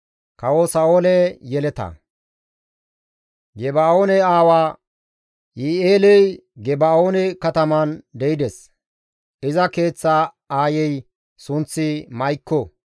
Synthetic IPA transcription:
kɐwosaːoːlɛjɛlɛt̪ɐ̰ | ɡɛbaːoːnɛaːwaː | ʔieːlɛjɡɛbaːoːnɛkɐt̪ɐmɐnd̪ɛjɪd̪ɛs | ɪzɐke̞ːt͡sːa | aːjɛj | sʊnt͡sːɪmɐjkːɔ

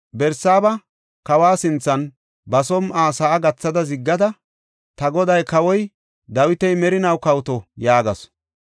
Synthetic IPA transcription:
bɛɾsaːbɐ | kɐwaːsɪnt͡sːɐn | bɐsɔmaːsaːɡɐt͡sːɐd̪ɐzɪɡːɐd̪ɐ | t̪ɐɡɔd̪ɐjkɐwɔj | d̪ɐwɪt̪ɛjmɛɾɪnɐwkɐwt̪ɔjaːɡɐ̰s

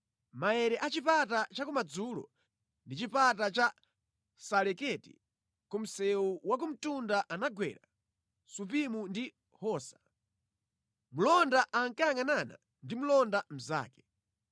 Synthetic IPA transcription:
maɛɾɛʔat͡ʃipatat͡ʃakumad͡zulɔ̰ | ndit͡ʃipatat͡ʃa | salɛkɛtḭ | kum̩sɛuwak̬um̩tundaʔanaɡwɛ̰ɾa | sup̬imundi | hɔːsḁ | mulɔndaʔaŋkajaŋanana̰ | ndimulɔndam̩za̰ːkɛ̥

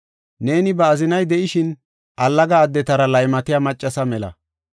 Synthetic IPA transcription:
ne̞ːnɪbɐːzɪnɐjd̪ɛʔɪʃɪn | ʔɐlːɐɡɐːd̪ːɛt̪ɐɾɐlɐjmɐt̪ɪjaːmɐt͡ʃʼːɐsɐmɛlɐ̰

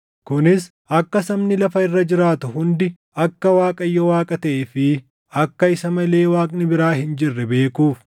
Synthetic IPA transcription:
kʊnɪs | ʔɐkːɐsɐmnɪlɐfɐɪrːɐd͡ʒɪɾaːt̪ʊhʊnd̪ɪ | ɐkːɐwaːkʼɐjːɔwaːkʼɐt̪ɐʔɛfɪ | ɐkːɐɪsɐmɐle̞ːwaːkʼnɪbɪɾaːhɪnd͡ʒɪrːɛbe̞ːkuːf

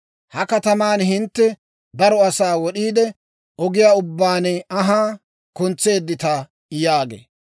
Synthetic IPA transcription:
hɐkɐt̪ɐmaːnɦɪnt̪ːɛ | bɐɾɔɐsaːwɔɗiːd̪ɛ | ʔɔɡɪjaːʊbːaːnɛɐɦaː | kʊnt͡sːe̞ːd̪ːɪt̪ɐ | jaːɡḛː

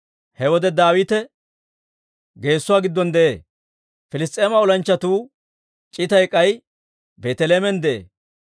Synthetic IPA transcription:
hɛwɔd̪ɛd̪aːwiːt̪ɛ | ɡe̞ːsːʊwaːɡɪd̪ːɔnd̪ɛʔeː | fɪlɪs̬t̪ʼeːmɐɔlɐnt͡ʃːɐt̪uː | t͡ʃʼɪt̪ɐjkʼːɐj | beːt̪ɛleːmɛnd̪ɛʔḛː

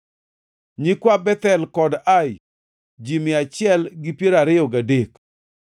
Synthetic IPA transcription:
ɲikwabɛt̪ɛlkɔdaj | d͡ʒimɪat͡ʃɪɛlɡɪpjeɾaɾɪjɔɡadek

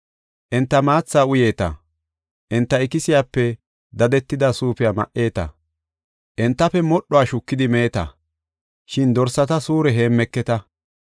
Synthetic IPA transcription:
ʔɛnt̪ːɐmaːt͡sːaːʊje̞ːt̪ɐ̰ | ʔɛnt̪ːɐɪkɪsɪjaːpːɛ | d̪ɐd̪ɛt̪ːɪd̪ɐsuːpɪjaːmɐ̰ʔe̞ːt̪ɐ̰ | ʔɛnt̪ːɐpɛmɔɗɔaːʃʊkːɪd̪ɪmeːt̪ɐ̰ | ʃɪnd̪ɔɾsɐt̪ɐsuːɾɛɦe̞ːmːɛkːɛt̪ɐ

